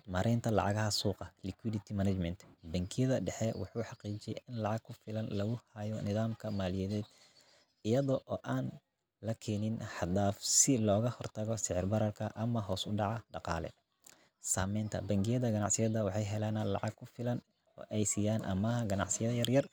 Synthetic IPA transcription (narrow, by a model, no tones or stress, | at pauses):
mɐɾʔɛjnt̪ʰɐlɑ̰ʕɑ̰ɣɐɦɐsuːqɑlɪkʰwidɪt̪ʰimɐnɐt͡ʃmɛnt̪bɐŋkʰɪjɐðɐɖɛħɛwɑ̰ħuːħɑqiːt͡ʃɪjɛjɪnlɑʕɑɡ̚kʰʊfɪlɐnlɐɣʊhɐjɔnɪðaːmkʰɐmaːlɪjɐðɛːd̪ | ɪjɐðɔʔɔːʔaːn | lɐkʰɛːnɪnħɑd̪aːfsɪlɔːɣɐhɔrt̪ʰɐɣɔsɪʕɪrbɐɾɐrkʰɐʔɐmɐɦɔːsʊɖɑʕɑɖɑqɑ̰ːlɛ̰ | saːmɛjnt̪ʰɐ̰bɐŋkʰɪjɐðɐɡɐnɑ̰ʕsɪjɐðɐwɑħɑjɦɛlaːnlɑ̰ʕɑɡ̚kʰʊfɪlɐn | ɔ̰ːʔɛjsiːjaːnʔɐ̰mɐɦɐɡɐnɑ̰ʕsɪjɐðɐjɐrjɐr